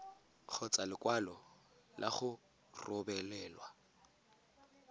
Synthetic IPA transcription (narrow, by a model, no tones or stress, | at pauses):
q͡χʰɔt͡sʼalɪkʼwalɔ | lʔaχʊ | rɔbɛlɛːlwa